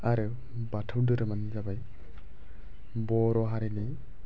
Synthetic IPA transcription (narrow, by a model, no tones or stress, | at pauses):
aɾɯ | batʰawdɯɾɯmanzabaj | bɔɾɔɦaɾini